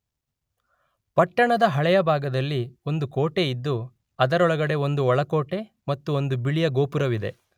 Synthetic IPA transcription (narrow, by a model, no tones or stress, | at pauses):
pɐʈːɐɳɐd̪ɐɦɐɭɛjɐbʱaːɡɐd̪ɐlːio̞nd̪ukoːʈe̞id̪ːu | ɐd̪ɐɾɔɭɐɡɐɽe̞ond̪uɔɭɐko̞ːʈe̞ | mɐt̪ːuo̞nd̪ubiɭijɐɡo̞ːpuɾɐʋid̪e̞̰